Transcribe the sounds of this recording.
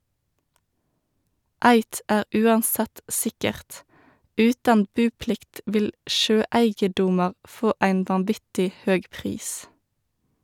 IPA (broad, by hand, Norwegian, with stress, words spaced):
ˈæɪt ˈæːʁ ˈʔʉːɑnˌsɛt ˈsɪkəʁt ˈʉːtɑn ˈbʉːˌplɪkt ˈʋɪl ˈʃøːˌæɪɡəˌdʊmɑʁ ˈfoː ˈæɪn ʋɑnˈʋɪtɪ ˈhøːɡ ˈpʁiːs